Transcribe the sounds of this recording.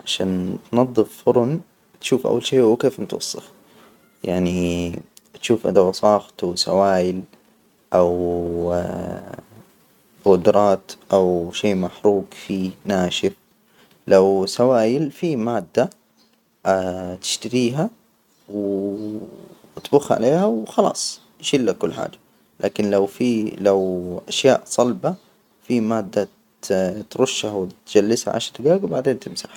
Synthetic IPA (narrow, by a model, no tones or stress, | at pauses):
ʕaʃaːnt̪nɑðˤːɨffʊɾˤʊn | t̪ʃuːfʔa̰wːalʃeːwkeːfmt̪wɑ̰sˤːɨ̰x | jaʕni | t̪ʃuːfʔɪ̰d̪awɑsˤɑːxt̪usa̰waːjɪl | ʔaw | ɣʊd̪ɾˤɑːt̪ʔawʃeːmaħɾuːɡfiːnaːʃɪf | lawsawaːjɪlfimaːd̪ːa | t̪ɪ̥ʃt̪aɾiːɦa | wɪ | t̪buːxʕa̰leːhawxɑlɑ̰ːsˤ | jʃɪlːakʊlːħa̰ːd͡ʒḁ | lʔa̰ːkɪnlawfilawʔaʃja̰ːʔsˤɑlba | fimaːd̪ːa | t̪ɾʊʃːhawɪt̪d͡ʒ̥alːɪsha̰ʕa̰ːʃt̪ɡaːɡwbaʕd̪eːnt̪ɪmsaħ